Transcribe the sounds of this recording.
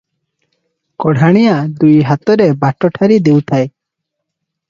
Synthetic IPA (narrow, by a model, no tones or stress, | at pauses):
kɔɽ̤ʱaɽ̃ijaʔd̪ujɦat̪ɔɾebaʈɔʈʰaɾid̪ewt̪ʰaj